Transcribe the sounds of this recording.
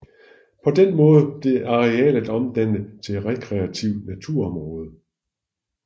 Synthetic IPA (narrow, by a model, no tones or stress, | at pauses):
pʰɒ̽d̥enmɔ̽ːð̞ˠəb̥le̝ʔɑ̈ʁɛɛ̰ːlæd̥ɒ̽md̥ænət͡sʰe̝ʁɛkʰʁɛæt͡sʰiʊ̰næt͡sʰuɐ̰ɒ̽mʁɔ̽ːð̞ˠə